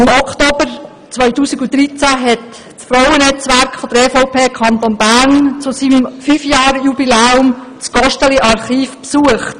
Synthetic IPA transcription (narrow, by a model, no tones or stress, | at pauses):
ɪmɔkʰtoːbəɾ | t͡sʋœʏtuːsiɡudɾit͡sæɦɛt | sfrɔwənɛt͡sʋærkfɔd̥̪əɾefɔʊpʰeːkʰɑnt̪onbæɾnt͡susimfyːfjɑːɾjubilɛːʊmt͡sɡ̥ɔʃtəliʔɑrχiːfpsuəχt